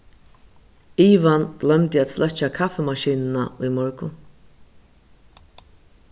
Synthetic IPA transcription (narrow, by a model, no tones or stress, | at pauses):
iːʋanɡ̥lœmt̪ɪæːt̪slʔœt͡ʃakʰafɛmaʃiːnnaujmɔɹkʊn